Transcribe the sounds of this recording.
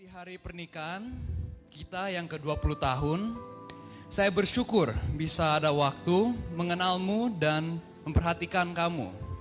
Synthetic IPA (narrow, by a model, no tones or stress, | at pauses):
tiɦaɾipərnikaːnkit̪ajaŋkəduapulut̪aɦʊn | sajabərʃukʊrbisaːdawak̚t̪uməŋənalmudan | məmpərɦat̪ikankamṵ